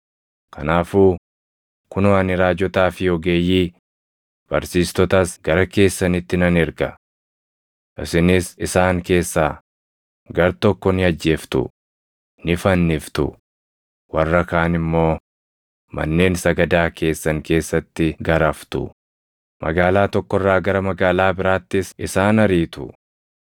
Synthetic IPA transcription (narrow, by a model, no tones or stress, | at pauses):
kʰɐ̰naːfuː | kʊnwanɪɾaːd͡ʒɔt̪aːfɪjɔɡeːjːiː | b̥ɐɾsiːst̪ɔt̪ɐsɡɐɾɐke̞ːsːɐnɪt̪ːɪnɐnɪɾɡɐ | ʔɪsɪnɪsɪsaːŋke̞ːsːaː | ɡɐɾt̪ɔkːɔnɪɐd͡ʒːe̞ːft̪ʊ̰ | nɪfɐnːɪft̪ʊ̰ | wɐrːɐkaːnɪmːo̞ː | mɐ̰nːe̞ːnsɐɡɐd̪aːkʰe̞ːsːɐŋke̞ːsːɐt̪ːɪɡɐɾɐft̪ʊ̰ | mʔɐ̰ɡaːlaːt̪ɔkːɔrːaːɡɐɾɐmɐɡaːlaːbɪɾaːt̪ːɪsɪsaːnɐɾiːt̪ʊ̰